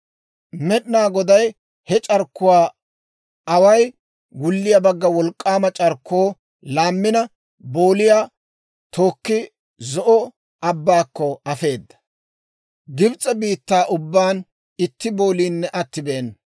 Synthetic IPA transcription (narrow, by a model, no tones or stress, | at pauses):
mɛɗɪnaːɡɔd̪ɐj | hɛt͡ʃʼɐɾkːʊwaː | ɐwɐj | ɡʊlːɪjɐbɐɡːɐwɔlkʼːaːmɐt͡ʃʼɐɾkʰːoː | laːmːɪnɐ | bo̞ːlɪjaː | t̪ʰo̞ːkːɪ | zɔʔɔ | ʔɐbːaːkːɔɐfe̞ːd̪ːɐ̥ | ɡɪbt͡sʼːɐbiːt̪ːaːʔʊbːaːn | ɪt̪ːɪbo̞ːliːnːɛʔɐt̪ːɪbeːn